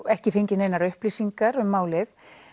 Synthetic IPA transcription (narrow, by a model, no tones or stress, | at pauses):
ɛhcɪfejɲcɪnejnaɾʏhpliːsiŋkaɾʏmːaːwlɪð